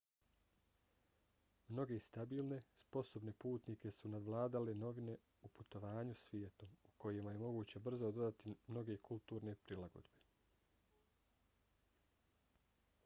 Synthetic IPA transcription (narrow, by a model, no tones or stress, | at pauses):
mno̞ɡe̞st̪abiːlˠne̞spo̞so̞bne̞puːt̪nike̞sunad̪ʋlˠaːd̪aleno̞ʋine̞ | uput̪o̞ʋaːɲusʋjeːt̪uuko̞jemaje̞mo̞ɡuːt͡ɕe̞br̩zod̪od̪at̪imno̞ɡe̞kʰulˠt̪uːɾne̞pɾilˠaɡo̞̰d̪be̞